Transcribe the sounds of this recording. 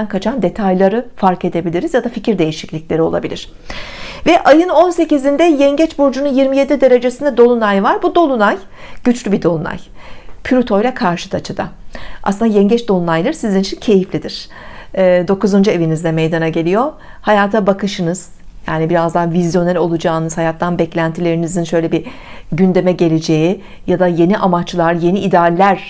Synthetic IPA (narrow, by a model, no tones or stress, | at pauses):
ænkʰat͡ʃʰand̪e̞t̪ʰajlˠaɾɯfaɾke̞d̪e̞bilʲiɾizjad̪aficiɾd̪e̞jiʃiclʲicʲlʲe̞ɾio̞lˠa̰bilʲiɾ̥ | vɛʔajɯno̞nse̞cizind̪ɛjɛɲɟɛt͡ʃboɾd͡ʒununjiɾmije̞d̪id̪e̞ɾe̞d͡ʒe̞sind̪ɛd̪o̞lˠunajvaɾbud̪o̞lˠunaj | ɟ̥yt͡ʃlʲybid̪o̞lˠuna̰jpʰyɾut̪ʰo̞jlʲˠakʰaɾʃɯ̥t̪ʰat͡ʃʰɯd̪a̰ʔa̰sɯnd̪ajɛɲɟɛt͡ʃd̪o̞lˠunajlˠɯɾsizinit͡ʃʰincʰe̞jiflʲid̪iɾ̥ː | d̪o̞kuzønd͡ʒue̞vinizd̪ɛmejd̪anaɟe̞lʲijo̞ | hajaːt̪ʰabakʰɯʃɯnɯz̥ | jaːnibiɾazd̪avizjo̞nælʲo̞lˠud͡ʒaːnɯz̥hajat̪ːanbɛclʲænt̪ʰilʲe̞ɾinizinʃø̞jlʲebi | ɟynd̪e̞mɛɟe̞lʲe̞d͡ʒe̞ji | jad̪aje̞niʔamat͡ʃlˠaɾje̞niʔid̪aːlʲːæɾ̥